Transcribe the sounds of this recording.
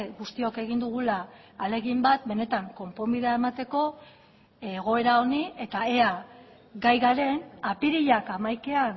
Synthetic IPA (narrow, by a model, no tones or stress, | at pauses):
ɣust̪io̞ke̞ɣind̪uɣulaː | le̞ɣimbat̪̚be̞ne̞t̪aŋko̞mpombiðeae̞mat̪e̞ko̞ | eɣ̞o̞e̞ɾao̞nie̞t̪ae̞a | ɣajɣaɾe̞napiɾiʎakamajke̞an